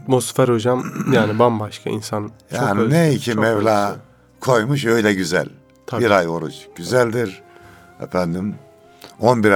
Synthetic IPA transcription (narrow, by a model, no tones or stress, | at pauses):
t̪mosfɛɾhod͡ʒamjaːnibambaʃkʰa̰ḭnsanjt͡ʃʰaoːnneicʰimmɛvlʲaː | kʰo̞jmuʃ̬øjd̪ɛɟyzæ̰lʲ | t̪ʰabiɾajo̞ɾṵt͡ʃɟ̥yzælʲd̪iɾ | ɛ̰fænd̪im | onbiɾ